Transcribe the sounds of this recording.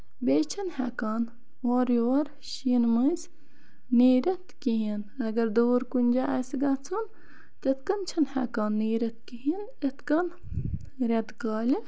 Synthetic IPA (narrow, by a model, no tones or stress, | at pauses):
beːt͡ʃʰɐnhakaːn | oːɾjoːɾ | ʃiːnmɨs | niːɾɐt̪kiɦin | ɐɡɐɾd̪uːɾkunʲd͡ʒaasɨɡat͡sʰun | t̪ɐt̪kɐnt͡ʃʰɐnhakaːnːiːɾɐt̪̚kiɦin | ət̪kɐn | ɾʲɐd̪kaːlʲi